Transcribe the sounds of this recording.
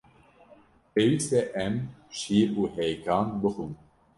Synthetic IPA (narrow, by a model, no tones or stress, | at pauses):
peːwiːsɛʔɛmʃiʔuːhɛjkʰɑːnbɨxun